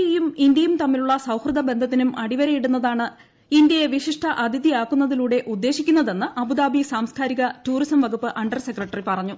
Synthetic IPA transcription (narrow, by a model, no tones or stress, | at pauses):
jumind̪jɐjumt̪ɐmːiluɭːɐsɐwhrɨd̪ɐbe̞nd̪ʱɐt̪ːinumɐɽiʋɐɾɐjiɽunːɐðaːɳɨ | ind̪jɐjeʋiʂiʂʈʰɐʔɐd̪ʱiðiaːkːunːɐðiluːɽe̞ʔud̪ːe̞ːɕikʲːunːɐðe̞nːɨʔɐbud̪aːbʱisaːmskaːɾiɣɐtuːrisɐmʋɐɡupːɨʔɐɳɖɐrse̞krɐʈːɐripɐrɐɲːu